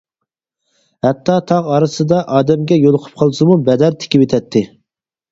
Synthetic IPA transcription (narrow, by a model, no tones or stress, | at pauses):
hɛt̪ʰːɑt̪ʰɑʁɑɾɨsɨd̪ɑʔɑːd̪ɛmɡʲɛjolˠʊqʰʊ̥p̚qʰɑlˠɨsɨmubɛd̪æɾt̪ʰe̥kʲibet̪ʰɛt̪ʰːɪ